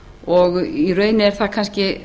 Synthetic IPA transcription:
ɔɣirœːɥnɪɛɾ̥θakʰanscɪ

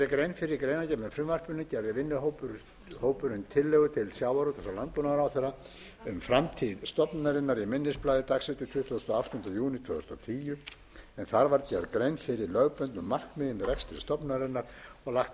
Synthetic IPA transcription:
ɛðɪkɾejnfɪɾɪɾkɾejnacɛpnʏfɾʏmvar̥pʏnːɪcɛɾðɪvɪnːʏɦowp | hoːwpʏɾʏnt̪ʰɪlːɛɣʏt̪ʰɪlsjaːwaɾut̪θɛsalant̪lɔnaɾawθɛɾa | ʏmfɾamt̪ʰiðst̪ɔpnaɾɪnːaɾimɪnːɪsplajðɪt̪aksɪt̪ɪt̪ʰvʏːθðʏst̪ɔaft̪ɔnt̪ajuːnɪt̪ʰvœːθʏ̥st̪ɔt̪ʰiːjʏ | ɛnθaɾvaɾcɛɾkɾejnfɪɾɪɾlœɣpœnt̪nʏmːar̥kmɪðɪnrɛkst̪ɪ̥st̪ɔpnaɾɪnːaɾ̥ɔɣlaxt̪

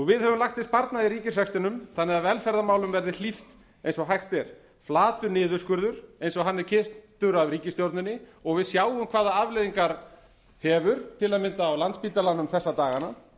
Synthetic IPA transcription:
ɔɣvɪðɦhɛvʏmlaxt̪θɪst̪̚paɾt̪naðiɾiːcɪsɛkst̪ɪnʏmθanːɪaðvɛlfɛɾðamaːwlʏmvɛɾðɪl̥ift̪ | ejnsɔɦajxt̪ɛɾ̥ | flaːt̪ʏnɪːðʏ̥skʏɾðʏɾ̥ejnsɔɦanːɛɾ̥cʰɪr̥t̪t̪ʏɾavɾiːcɪst̪joɾt̪nɪnːɪɔɣvɪðsjaːwʏmkʰvaːðaavlɛðiŋkaɾ | hɛːvʏɾ̥t̪ʰɪlaðmɪnt̪aːwlant̪spiːt̪alanːʏmθɛsːat̪aːɣana

